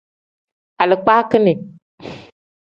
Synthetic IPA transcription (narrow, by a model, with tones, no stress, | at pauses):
a˨lə˨k͡pa˦kɨ˦ne˨